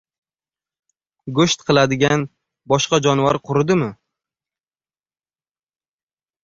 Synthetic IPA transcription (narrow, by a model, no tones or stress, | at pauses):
ɡoʃt̪qʰɨlˠad̪ɪɡʲan | bɒʃqɑd͡ʒɒnvaɾqʰʊɾɪd̪ɪmɪ